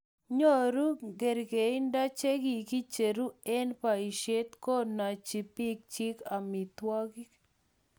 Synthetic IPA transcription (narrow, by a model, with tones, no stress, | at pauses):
ɲo˦ɾu˦ɡe˨ɾɡe˨i˦nda˦t͡ʃe˦ɡi˨ki˦t͡ʃe˨ɾu˦e˦npa˨i˨ʃe˦t̪ko˦na˨t͡ʃi˨pi˦k̚t͡ʃi˦ka˨mi˨t̪wa˦ɡi˦k